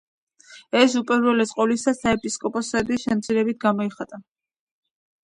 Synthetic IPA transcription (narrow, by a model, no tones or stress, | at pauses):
ɛs̬upʼɛɾwɛlɛsʼqʼɔlisasaɛpʼiskʼɔpʼɔsɛd̪isʃɛmt̪sʰiɾɛbit̪̚ʰɡamɔiχat̪ʼa